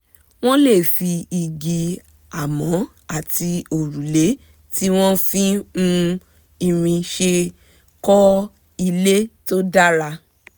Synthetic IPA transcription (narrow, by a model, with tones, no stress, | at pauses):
w̃ɔ̃˦le˦˨fi˧i˨ɡi˨ | a˨mɔ̃˨˦ | a˦˨ti˧o˨ɾu˨le˨˦ | ti˦w̃ɔ̃˦fĩ˦mũ˧ | i˧ɾ̃ĩ˧ʃe˧ | kɔ˦ | i˧le˦to˦da˦ɾa˧